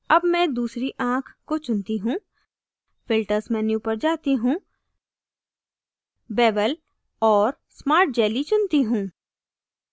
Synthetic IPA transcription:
ɐbmɛ̃d̪uːsɾiʔãːkʰkːot͡ʃʊnt̪iɦũː | fɪlʈəɾsmɛ̃njũpəɾd͡ʒaːt̪iɦũː | bɛːʋəl | ɔːɾ | smaːɾʈ̚d͡ʒɛːlit͡ʃʊnt̪iɦũː

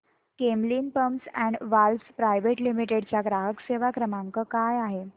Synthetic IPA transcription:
kemliːnpəmsɛ̃ɳɖʋalspɾajʋeʈlimiʈeɽt͡ɕjaɡɾaɦəkseʋakɾəmaŋkəkajaɦe

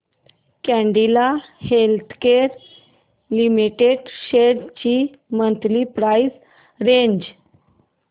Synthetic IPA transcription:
kɛ̃ɳɖilahelt̪ʰkeɾ | limiʈeɖɕeɽt͡ɕi | mənt̪lipɾajs | ɾẽɲd͡ʑ

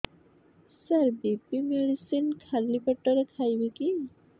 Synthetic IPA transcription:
saɾbipimeɽisinkʰalibɔʈɔɾekʰajbiki

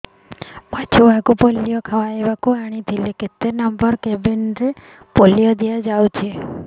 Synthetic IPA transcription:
pat͡ʃʰuʋaɡupolːijɔkʰaʋaeʋakuaɽ̃it̪ʰileket̪ːenɔmbəɾkebenɾe | polijɔd̪iad͡ʒawt͡ʃʰe

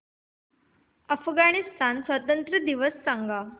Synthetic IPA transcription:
əfɡaɽist̪ʰansʋat̪ənt̪ɾəd̪iʋəsːãŋɡa

